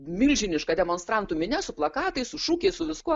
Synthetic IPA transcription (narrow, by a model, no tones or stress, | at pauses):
mʲɪlʲʒʲɪnʲɪʃkɐd̪ʲɛmoːnst̪ɾɐnt̪ʊmʲɪnʲɛsʊplˠɐkɑːt̪ɐɪsʊʃuːkʲɛɪsʊʋʲɪskuɔ